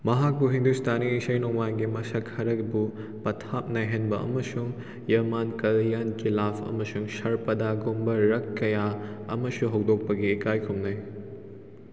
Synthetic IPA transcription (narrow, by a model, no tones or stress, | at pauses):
mɐɦak̚buɦindustʰaniːsɐjnɔmanɡimɐsɐkhɐɾɐkbu | pɐtʰap̚naɦenbɐʔɐ̰mɐsuŋ | jɐmankɐljankilapʰɐ̰mɐsuŋsɐɾpɐdaɡumbɐɾɐkːɐjaɐ̰mɐsuɦɐwdok̚pɐɡiːkajkʰumnɐj